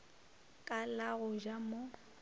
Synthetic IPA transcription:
kʼalaɣʊʒamo

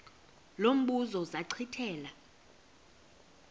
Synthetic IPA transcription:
lom̩ɓuzɔzaǀʰitʰɛːla

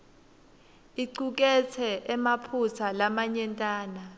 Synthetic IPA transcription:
iǀuk̬ɛt͡sʰɛʔɛmapʰusʰalamaɲɛntʼaːna

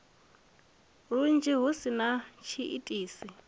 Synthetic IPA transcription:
ɺun̩d͡ʒiɦusinat͡ʃʰiʔḭtʼiːsi

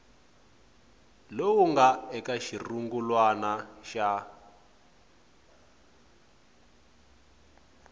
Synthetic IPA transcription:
lowuŋɡaɛkaʃiruŋɡulwanaʃa

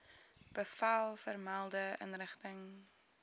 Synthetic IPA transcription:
b̥əfɐlˠfərmalˠdəə̰nrəχtəŋ

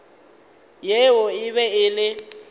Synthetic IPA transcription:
jewɔɪβɛɪlɪ

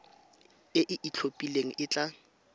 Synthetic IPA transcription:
ɪʔɪʔit͡ɬʰopʼileŋ̩ʔɪt͡ɬʼa

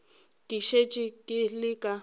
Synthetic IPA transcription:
kʼɪʃet͡ʃʼɪkʼɪlɪkʼa

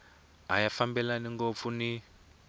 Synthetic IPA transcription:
ɦa̰jafambɛlaniŋɡop̪funi

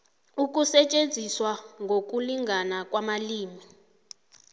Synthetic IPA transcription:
uk̬ʼusɛt͡ʃʼend͡zʱiswaŋɡʱok̬uliŋɡʱanak̬ʼwamaliːmi

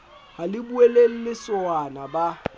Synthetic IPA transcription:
halɪbuelel̩lɪsʊanaba

